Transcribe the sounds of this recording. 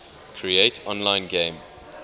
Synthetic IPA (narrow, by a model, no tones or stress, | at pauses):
kʰɹieɪtʰɔ̃nlãɪ̃nɡẽm